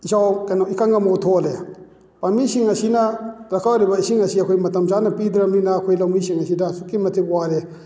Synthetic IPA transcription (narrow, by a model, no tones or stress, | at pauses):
isawkɛnɔikaŋɡamɔt̪ʰɔlɛ | pamiʃiŋasinaɾakʰaɾebaisiŋasiakʰojmɐtɐmt͡ʃanapidɾɐmɾinakʰojlamiʃiŋasidasukimɐtʰikwaɾɛ